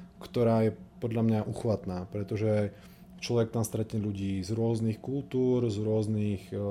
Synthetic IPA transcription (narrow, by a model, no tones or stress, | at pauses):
kt̪ɔɾaːjɛpɔd̪ʎamɲaʔuxʋat̪naːpɾɛt̪ɔʒɛ | t͡ʃlɔʋɛk̚t̪amst̪ɾɛciʎuɟiːzɾʊɔznixkult̪uːɾzɾʊɔznix